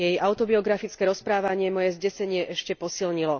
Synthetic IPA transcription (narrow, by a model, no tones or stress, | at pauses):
jɛjaʊt̪ɔbiɔɡɾafit͡skɛːɾɔspɾaːʋaɲɪɛmɔjɛzɟɛsɛɲɪɛʔɛʃcɛpɔsilɲilɔ